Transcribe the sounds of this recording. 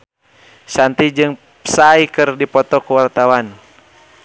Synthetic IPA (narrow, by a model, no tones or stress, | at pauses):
sant̪id͡ʒɨŋ | saikɨrdipɔt̪ɔkuwart̪awan